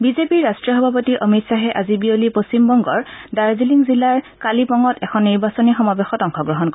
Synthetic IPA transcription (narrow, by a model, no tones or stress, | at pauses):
bizepiɹɹastɹijɔxɔbʱap̬otiʔomitsaɦɛʔazibiolipost͡ɕimbɔŋɡɔɹdaɹziliŋzilaɹkalipɔŋɔtɛkʰɔnːiɹbasɔnixɔmabexɔtɔŋxɔɡɹɔɦɔnk